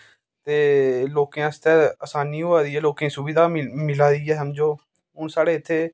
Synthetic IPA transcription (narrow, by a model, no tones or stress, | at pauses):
t̪eːloːkeãːst̪ɛːəsaːniːɦoaːd̪iːɛːloːkẽːsʊbiːd̪aːmɪlaːɾiːɛːɦəmd͡ʒoː | ɦʊnsaːɽeːɪt̪ʰːeː